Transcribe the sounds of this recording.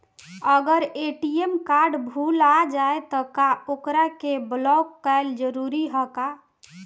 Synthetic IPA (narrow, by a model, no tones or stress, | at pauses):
əɡəɾeʈiemkaɾɖbʱulad͡ʒaet̪ɔkaokɾakeblɔkːəɪld͡ʒəɾuɾiɦəka